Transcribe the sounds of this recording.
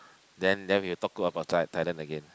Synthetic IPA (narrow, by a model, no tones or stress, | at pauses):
dɛ̃ndɛfɛjutɔk̚ːuabaʊt̚saɪtʰːajlə̃nəɡẽn